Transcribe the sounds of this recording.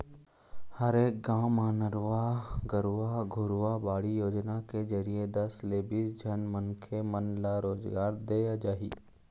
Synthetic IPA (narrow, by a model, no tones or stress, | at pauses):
həɾeːk̚ɡaːmaːnəɾʋaɡəɾʋaɡʱʊɾʋabaːɽijoːd͡ʒnaked͡ʒəɾijed̪ɐsleːbisd͡ʒʱɐnmənkʰemənlaɾoːzɡaːɾd̪eːjad͡ʒaːḭː